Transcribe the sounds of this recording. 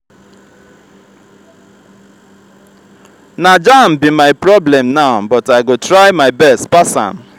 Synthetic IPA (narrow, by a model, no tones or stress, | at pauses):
nad͡ʒam̩bimaɪpɾɔblɛmnaʊbɔtaɪɡotɾaɪmaɪbɛstpasa̰m̩